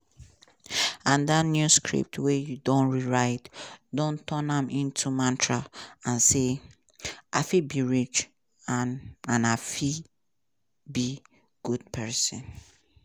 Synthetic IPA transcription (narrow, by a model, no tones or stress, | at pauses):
ãndatnjuskɹḭp̚tʰwejudõnɹiɹaɪtdõntʰɔnãmĩntʰumãntʰɹaãnse | ʔaɪfibiɹit͡ʃ | anãnafi | bi | ɡ̥ud̚pʰɛsɔ̃n